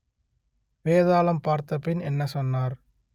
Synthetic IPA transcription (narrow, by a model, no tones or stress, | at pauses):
ʋeːðaːlɐmpaːɾt̪ːɐpːɪnɛnːɐsɔnːaːɾ